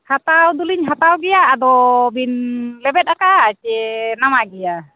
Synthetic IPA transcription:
hat̪awd̪uliɲɦat̪awɡɛjaːd̪ɔbinlɛbɛt̪̚akat͡ʃɛnamaɡɛja

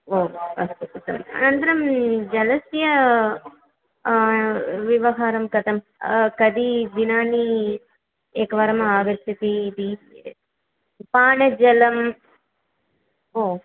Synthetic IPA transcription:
oːɐst̪ukɐt̪ɐmnɐnd̪ɐɾɐmd͡ʒɐlɐsjɐ | ʋiʋɐɦaːɾɐmkɐt̪ɐm | kɐd̪id̪inaːni | eːkɐʋɐɾɐmaːʋɐɾt̪it̪iːd̪i | paːɳɐd͡ʒɐlɐm | oː

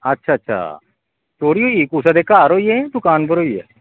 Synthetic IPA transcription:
ɐtːʃʰaːtːʃʰa̰ː | t͡ʃoːɽiɦoːikuːs̬ad̪ekaːɾoied̪ʊkaːnbɐɾɦoːiɛ̰

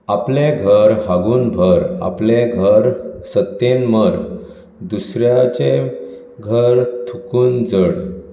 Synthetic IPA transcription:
apleɡʱəɾhaɡuːnbʱəɾa̰pleɡʱəɾsət̪ːenməɾ | d̪usɾjat͡ɕe | ɡʱəɾt̪ʰukuːnd͡zəɽ

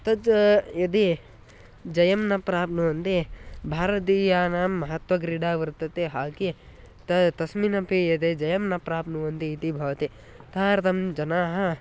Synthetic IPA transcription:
t̪ɐd͡ʒjɐd̪e | d͡ʒɐjɐmnɐpɾaːp̚nuʋɐnt̪ebʱaːɾɐt̪̬iːjaːnaːmːɐɦɐt̪ʋɐɡɾiɖaːʋɐɾt̪ɐt̪eɦaːki | t̪ɐt̪ɐsminɐpijɐd̪eːd͡ʒɐjɐmnɐpɾaːpnuʋɐnt̪iːt̪ibʱɐʋɐt̪e | t̪aːɾt̪ɐmd͡ʒɐnaːɦɐ

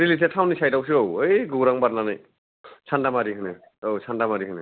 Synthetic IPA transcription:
ɾilisɛtʰawnisajtawsiowejɡowɾaŋbatnanaj | sʰandamaɾikʰɯnɯ | owsʰandamaɾikʰɯnɛ

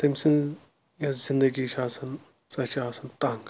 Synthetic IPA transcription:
t̪ɐmsin | jɐzind̪ɐɡiʃaːsɐn | sɐt͡ʃaːsɐnt̪aːŋɡ

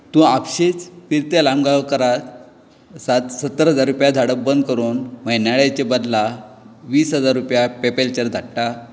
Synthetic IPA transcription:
t̪ũapɕet͡sfiɾt̪jalamɡaʋkəɾat̪ | sat̪sət̪ːəɾɦəd͡zaɾːupjad̪ʱaɽək̚bənd̪̚kəɾuːnm̤əɦnaɭjat͡ɕebəd̪laʋiːsɦəd͡zaɾːupjapepelt͡ɕəɾd̪ʱaɽʈa

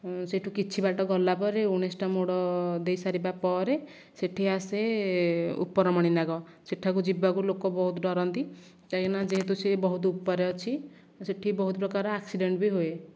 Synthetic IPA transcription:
seʈʰukit͡ʃʰibaʈɔɡɔlːapɔɾeuɽ̃esʈamoɽɔd̪ejsaɾibapɔɾe | seʈʰiase | ṵpːɔɾɔmɔɽ̃inaɡɔ | seʈʰakud͡ʒibakulokɔbɔɦut̪ɔɖɔɾɔnt̪i | k̪akenad͡ʒeɦet̪usebɔɦut̪upːɔɾeɔt͡ʃʰi | seʈʰibɔɦut̪ɔpɾɔkaɾɔaksiɖeɳʈbiɦoe

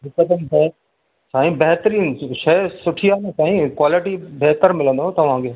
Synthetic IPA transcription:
ɦɪkːəd̪əmbɛ | saːĩbɛɦt̪ɾĩːnʃɐjsʊʈʰijaːnesãːĩkwaːlɪʈibeɦt̪əɾmɪlə̃nd̪oɦt̪ɐʋ̤ãkʰeː

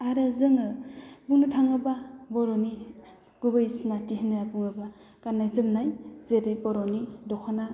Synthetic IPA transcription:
aɾazɯŋɯbuŋnɯtʰaŋɯbabɔɾɔni | ɡ̥ubajsnatiɦinɯabuŋɯba | kanːajzɯmnajz̥eɾejbɔɾɔnidɔkʰana

